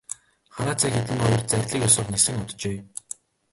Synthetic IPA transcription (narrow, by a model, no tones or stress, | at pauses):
χaɾaːt͡sʰæːxet̪ɘ̆ŋɔjɞ̆rt͡særʲɮiːkjɔsʊ̆ːχnesɘ̆ŋʊt̪̆t͡ɕeː